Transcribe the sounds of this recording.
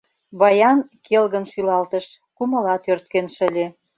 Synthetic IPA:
βɑjɑnkelɣə̆nʃylɑlt̪ə̆ʃ | kumɤ̆lɑt̪ørt̪̚kenʃə̆lʲe

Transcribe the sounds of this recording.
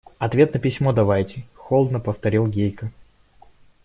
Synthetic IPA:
ɐt̪vʲe̞t̪nəpʲɪsʲmod̪ɐvajtʲɪxolˠd̪nəpəft̪ɐɾʲilˠɡʲejkə

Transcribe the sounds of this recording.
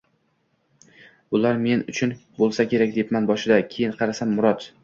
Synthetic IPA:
bʊlaɾme̞nʊt͡ʃʰʊnbolˠsakʲʰe̞ɾak̚ʲd̪epmanbɒʃɪd̪akʲʰejɪnqʰɑɾasamːʊɾɒt̪

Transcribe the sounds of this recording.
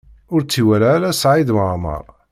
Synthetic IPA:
ʊɾt͡sːiwæɾaːɾæsʕid̪məʕmɑ̰ɾˤ

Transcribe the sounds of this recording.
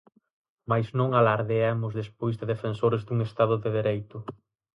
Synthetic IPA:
majznõŋalaɾðeamʊzðespojzðɪðefensoɾɪzd̪uŋest̪aðʊðeðeɾejt̪ʊ

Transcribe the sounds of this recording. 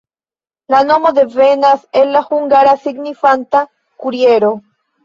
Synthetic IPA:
lano̞mo̞d̪e̞venase̞lːahuŋɡaɾasiɡnifanta | kuɾie̞ɾo̞

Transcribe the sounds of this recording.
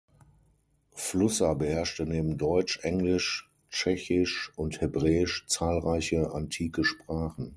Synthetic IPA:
flʊsɐbəhɛɐʃtəneːbm̩dɔʏt͡ʃʔɛŋlɪʃ | t͡ʃɛçɪʃʊnthɪbʁɛːɪʃt͡saːlʁaɪçəʔantʰiːkəʃpʁ̥aːχn̩

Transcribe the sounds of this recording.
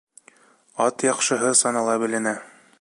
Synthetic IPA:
ɑt̪jɑqʃɤ̆ɦɤsɑnɑlˠɑbɘ̆lɘ̆næ

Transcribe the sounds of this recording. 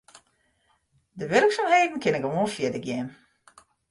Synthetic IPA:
dəʋørksamheːdn̩kʰɪnɪkəʋoənfjɪdəɡjɛn

